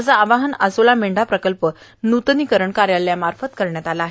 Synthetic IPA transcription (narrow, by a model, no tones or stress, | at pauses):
d͡zaːʋaɦənəsolameɳɖapɾəkəlpə | nut̪nikəɾəɳkaɾjalːjamaɾfət̪kəɾɳjat̪alaːɦe